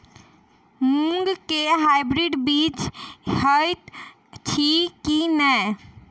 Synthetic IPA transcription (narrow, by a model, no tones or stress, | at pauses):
muŋɡkeɦajbɾiɖbit͡ʃhəjt̪ | t͡ʃʰikinəj